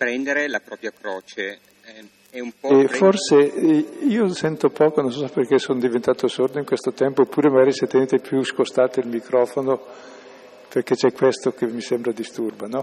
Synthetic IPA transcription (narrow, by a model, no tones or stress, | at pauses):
pɾɛnd̪eɾelapɾɔːpɾjakɾɔːt͡ʃe | ɛumpɔɛforseiːosɛnt̪opɔːkonõnsɔsaperkesoːnd̪ivent̪aːt̪osord̪oiŋkwest̪ot̪ɛmpoːpːuːɾemaɡaːɾiset̪ːeneːt̪epʰjuskost̪aːt̪eilmikɾɔːfono | perk̟et͡ʃɛkːwest̪okemːisembɾad̪ist̪urbanɔ